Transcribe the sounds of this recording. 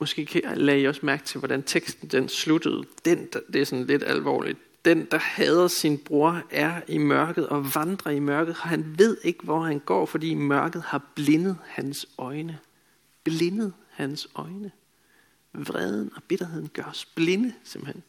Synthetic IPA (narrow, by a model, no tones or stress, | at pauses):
mɔ̽sɡ̥e̝̰ːkʰælɛiɒ̽smæɐɡ̥̚t͡sʰe̝ʋɒɾænt͡sʰeɡ̥sd̥n̩d̥enslud̥əð̞̩ˠd̥end̥d̥e̝æɐsɒ̽nle̝d̥æ̰lʋɒ̰ːlid̥̚ | d̥end̥ɑ̈hɛːð̞ˠɐsinb̥ʁo̝ɐ̰æɐimɶɐɡ̥ð̩ˠɒ̽ʋɑ̈nd̥ʁɐimɶɐɡ̥ð̞̩ˠɒ̽ɦænʋe̝ð̞̰ˠe̝ɡ̥əʋɒhænɡ̥ɒ̰ːfɒ̽d̥ḭːmɶɐɡ̥ð̞̩ˠhɑ̈b̥le̝nəð̩ˠhænsɒ̽ɪnə | b̥le̝nəð̞̩ˠhænsɒ̽ɪnə | ʋʁɛðˠn̩ɒ̽b̥e̝ɾ̥ɐɦe̝ð̰ˠn̩ɡ̥ɶɐsb̥le̝nəsem̥̩hen